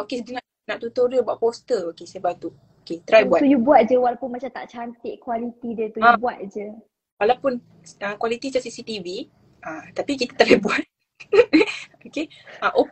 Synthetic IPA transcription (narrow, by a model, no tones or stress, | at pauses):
okesdəŋa | naʔt̪ut̪oɾəbuaʔ̚post̪əokesebat̪u | oket̪əɾajbuat̪ujubuat̪̚d͡ʒəwalawpʊnmat͡ʃamt̪a̰ʔt͡ʃant̪ɪʔkwalit̪idət̪uãubuat̪̚d͡ʒə | walawpʊn | əkwalit̪it͡ʃaʔsisit̪ivi | ət̪apikit̪ḁt̪əɾajbuat̪̚ | okeʔəʔo